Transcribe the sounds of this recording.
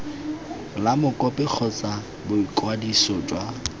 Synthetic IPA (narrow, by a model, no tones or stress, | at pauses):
lamʊkʼɔpʼɛk͡xʰɔt͡sa | bʊikʼwadisɔt͡ʃʼwa